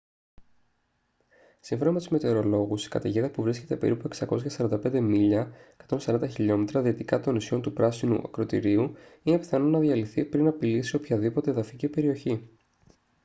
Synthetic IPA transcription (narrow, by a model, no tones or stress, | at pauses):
siɱfonomet̪izme̞t̪e̞ɾo̞lo̞ɣusi̥kɐt̪eʝeðɐpuvɾisce̞t̪e̞pe̞̰ɾipueksɐko̞sçɐsɐɾɐnd̪ɐpe̞nd̪e̞miʎɐekɐ̥t̪o̞nsɐɾɐnd̪ɐçiʎo̞me̞t̪ɾɐðiːt̪ikɐt̪o̞nisço̞nt̪upɾɐsinṵʔɐ̰kɾo̞t̪ḭɾiuine̞pi̥θɐno̞nɐðiɐliθipɾinɐpilisio̞pçɐðipo̞t̪e̞ːðɐficipe̞ɾio̞çi